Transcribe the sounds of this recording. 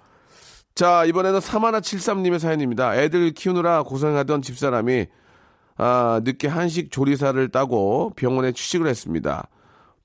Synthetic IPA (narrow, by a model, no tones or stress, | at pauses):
t͡ɕaibʌne̞nɯnsʰamanat͡ɕʰiɭs͈amɲime̞s̬ʰajiɲimɲidae̞dɯɭkʰiunɯɾakos̬ʰeŋɦadʌnt͡ɕip̚s͈aɾami | anɯk͈eɦanɕ̬ʰik̚t͡ɕoɾis̬ʰaɾɯɭt͈aɡopjʌŋwʌne̞t͡ɕʰu̥ɕ͈ʰiɡɯɭhe̞s͈ɯmɲḭda̰